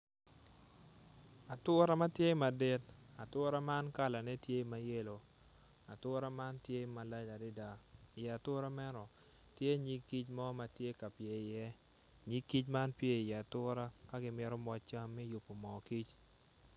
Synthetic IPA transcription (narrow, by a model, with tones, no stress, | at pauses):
a˨tʊ˦ɾa˦ma˦tje˦ma˨de˦ta˨tʊ˦ɾa˦ma˦nka˦˨la˨nɛ˦tje˦ma˦je˦lo˨ | a˨tʊ˦ɾa˦ma˦ntje˦ma˨la˦d͡ʒa˨dɪ˦da˦ɪ˨jɛ˨a˨tʊ˦ɾa˦mɛ˦nɔ˨ | tje˦ɲi˦kːi˦t͡ʃmɔ˦ma˨tje˦ka˨pje˦ɪ˨jɛ˦ | ɲi˦kːi˦t͡ʃma˦npje˦ɪ˨jɛ˨a˨tʊ˦ɾa˦ka˦ɡɪ˦mɪ˦ɾɔ˦mɔ˦t͡ʃa˦mːɛ˦jʊ˨pːo˨mɔ˨ki˦t͡ʃ